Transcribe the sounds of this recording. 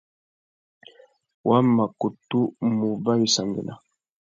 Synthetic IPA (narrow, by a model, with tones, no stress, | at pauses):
wa˦ma˨ku˨tu˦mu˨ba˦wi˨sa˨ŋɡə̰˨na̰˨